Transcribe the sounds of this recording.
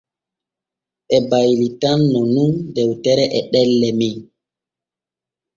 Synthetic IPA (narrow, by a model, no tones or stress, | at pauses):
ɓɛbajlitanːɔnundɛwtɛɾɛʔɛɗɛlːɛmin